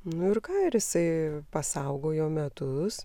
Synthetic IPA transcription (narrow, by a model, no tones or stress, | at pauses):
nʊɪrkɑːɪɾɪsɐɪpɐsɐʊɡoːjɛʊmʲɛt̪ʊs